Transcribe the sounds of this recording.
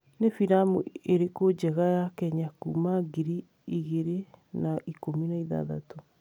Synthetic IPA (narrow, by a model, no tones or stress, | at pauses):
nefiɾamṵeɾekod͡ʒɛɣajakɛɲakumaɡiɾi | iɣeɾenaikominaiða̰ða̰to